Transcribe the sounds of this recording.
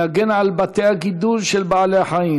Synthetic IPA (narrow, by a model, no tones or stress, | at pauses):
aɡenʕalbat̪eaɡid̪ulʃelbaʕaleħajiː